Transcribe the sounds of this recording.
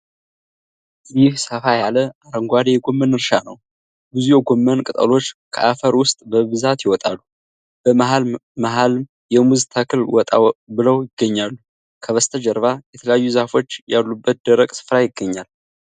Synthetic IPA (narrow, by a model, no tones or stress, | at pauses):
zɪhsəfajaləʔaɾəŋɡʷad̪ejɛɡo̞mːənɨɾʃanəw | bɨzujɛɡo̞mːənkʼɨt̪ʼə̰lo̞t͡ʃːkʰə̰ʔafəɾwʊst̪ʼbəβɨzat̪jɪwɔt̪ʼalːu | b̥əmɦalmaɦalm | jɛmuzt̪ʰakʰɨlwɔt̪ʼabɨləwjɪɡːəɲːalːu | kʰəβəst̪ʰəd͡ʒəɾβajɛt̪ʰələjajːuzahfo̞t͡ʃːjalːubːət̪̚d̪əɾəkʼsɨ̥fɾajɪɡːəɲːal